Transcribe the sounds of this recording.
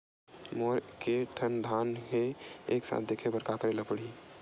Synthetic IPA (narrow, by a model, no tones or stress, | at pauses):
moːɾkeʈʰənd̪ʱaːnɦeeːksa̰ːt̪̚d̪ekʰebəɾkakəɾelapəɽi